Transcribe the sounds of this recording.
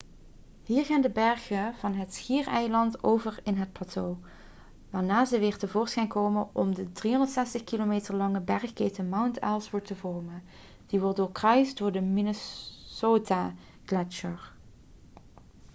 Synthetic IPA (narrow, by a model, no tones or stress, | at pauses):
hiːɹɣaːndəbɛɹɣəv̥ɑnɦətsxiːrɛjlɑntowvəɹɪnɦət̚plaːtʰoː | ʋaːɹnaːzəʋɪːɹtəvʊːɹsχɛjŋkoːwmənʔɔ̰mdədriɦɔndəɹtsɛstəχkilomeːtəɹlɑŋəbɛɹxkeːtəmawntɛlˠsʋəɹtəvɔɹmən | d̥iʋɔɹtdʊːɹkrœɥsdʊːɹdəminəsoːta | ɡ̥lɛt͡ʃəɹ